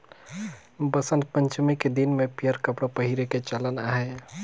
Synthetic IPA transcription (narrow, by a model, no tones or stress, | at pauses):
bəsənt̪̚pəɲt͡ʃimeked̪inmepijəɾkəpɽəpəɦiɾeket͡ʃalənaɦɛ